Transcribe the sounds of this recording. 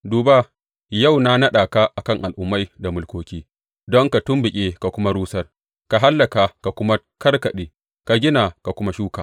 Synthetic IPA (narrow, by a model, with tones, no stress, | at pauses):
duː˨baː˦ | ja˦˨wna˦nɐ˦ɗaː˨ka˦ʔa˨kɐ˦˨ŋʔa˨lʔʊ˦mːa˦jda˨mʊ˨˦lkʷoː˦kʲiː˦ | dɔ˦ŋka˨tʊ˦mbɪ˨kʲʼeː˦ka˨kʷʊ˦ma˦ɾuː˦sɐ˦r | ka˨ɦa˦lːɐ˨ka˨ka˨kʷʊ˦ma˦ | kɐ˦rkɐ˨ɗeː˨ | ka˨ɡʲɪ˦na˨ka˨kʷʊ˦ma˦ʃuː˦kaː˨